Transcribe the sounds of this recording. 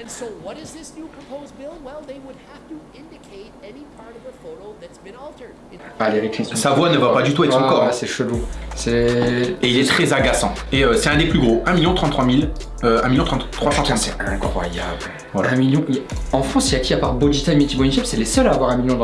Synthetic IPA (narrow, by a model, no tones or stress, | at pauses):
w | wd | nkʰ | aleʁiksɛ̃savwanəvapad̪yt̪uɛt̪χɑ̃kɔʁsɛʃəlusɛeilɛt̪χɛzaɡasɑ̰̃eøsɛt̪ɛ̃d̪eplyɡʁoʔɛ̃miljɔ̃t̪χɑ̃t̪χwamil | øɛ̃miljɔ̃t̪χɑ̃t̪ːχwasɑ̃t̪sɛɛ̃kχwajabl | vwalaɛ̃miljɔ̃iɑ̃fχɑ̃silak̪ʲiapaʁbod̪it̪aimet̪ibɔniʒɛpsɛlesœlaːvwaʁɛ̃miljɔ̃d̪